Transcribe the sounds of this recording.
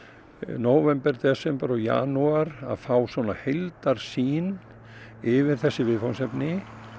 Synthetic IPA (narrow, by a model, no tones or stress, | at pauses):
noːwvɛmpɛɾt̪ɛsɛmpaɾɔja̰ːnuaɾa̰ðfaːwsvɔnahejlt̪aɾ̥siːn | ɪvɪɾ̥θɛsːɪvɪðfawnsɛpnɪ